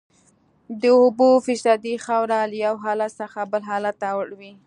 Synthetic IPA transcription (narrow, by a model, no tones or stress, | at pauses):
d̪əobofɪsɑd̪ixawɾaləjawɦɑlat̪səxabəlɦɑlat̪ːwəɽwi